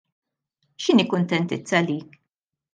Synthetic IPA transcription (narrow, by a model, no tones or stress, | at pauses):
ʃɪniːkʊnt̪ɛnt̪ɪt͡sːɐliːk